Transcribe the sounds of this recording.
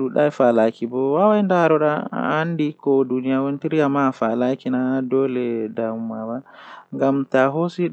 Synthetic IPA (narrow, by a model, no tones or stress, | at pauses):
ɗuɗajfalakibɔwawajndaɾɔɗa̰andikɔdunijawontiɾijamafalakinadɔlɛdamumawaŋɡamtaɦosi